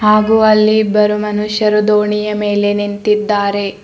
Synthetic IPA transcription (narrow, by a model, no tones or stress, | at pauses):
haːɡuɐlːibɐɾumɐnuʃjɐɾud̪oːɳijɐme̞ːle̞nint̪id̪ːaːɾe̞